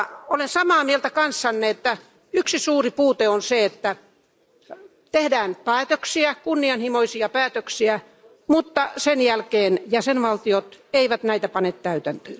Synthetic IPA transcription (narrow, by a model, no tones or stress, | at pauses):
olensɑmɑːmielt̪ækɑnsːɑnːeet̪ːæ | yksisuːripuːt̪eonseet̪ːæ | t̪ehdæːnpæːt̪øksiækunːiɑnhimoisiɑpæːt̪øksiæ | mut̪ːɑsenjælkeːnjæsenʋɑlt̪iot̪eiʋæt̪næit̪æpɑnet̪t̪æyt̪ænt̪øːn